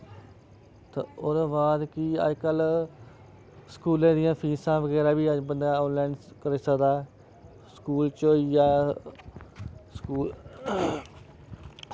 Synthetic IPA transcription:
t̪ḛoːɾbaːd̪kiːə̰d͡ʒkəl | skuːlẽːd̪ɪjãːpʰiːsãːʋəɡɛːɾaːbiːəd͡ʒbənd̪aːoːlɛːɳɖ | kəɾeːsəkd̪aːɛ | skuːlt͡ʃoːiːjaː | skuːl

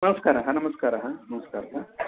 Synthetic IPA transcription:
nɐmɐskaːɾɐɦɐnɐmɐskaɾaɦanɐmɐskaːɾɐt̪ʰa

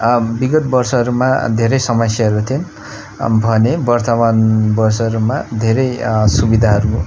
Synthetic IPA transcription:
biɡʌt̪̚bʌrsʌɦʌɾuma̰d̪ʱeɾʌjsʌmʌsjaɦʌɾut̪ʰion | bʱʌnebʌrt̪ʌmanbʌrsʌɦʌɾumad̪ʱeɾʌjsubid̪ʱaɦʌɾu

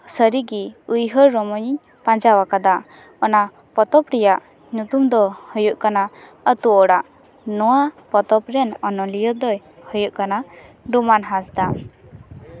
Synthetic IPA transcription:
səɾiɡiujɦɔɾːɔmɔɲ | pãd͡ʒawakad̪a | ɔna | pɔt̪ɔpɾɛjaʔ | nut̪umd̪ɔhɔjuʔkana | ət̪uɔɽaʔ | nɔwapɔt̪ɔpɾɛnɔnɔlijɔd̪ɔjhɔjuʔkana | ɖumanɦasd̪a

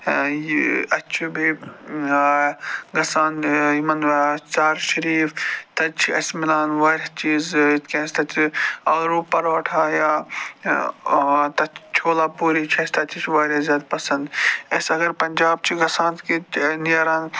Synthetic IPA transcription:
ɐt͡ʃʰibʱi | ɡɐsaːnjimɐnt͡saːɾʃɐɾiːft̪ɐt͡ʃʰiɐsmɪlaːnʋaːɾʲat͡ʃiːzt̪kʲẽːst̪ɐt͡ʃʰiɐːlɾuːpːɐɾʋɐʈʰaːjaː | t̪ɐt͡ʃʰt͡ʃʰoːlaːpuːɾit͡ʃʰɐst̪ɐt͡ʃʰit͡ʃʰʋaːɾʲjazʲjaːd̪pɐsɐ̃nd̪ɐsɐɡɐɾpɐnd͡ʒaːb̚t͡ʃʰiɡɐsãːnt̪kinijaɾaːn

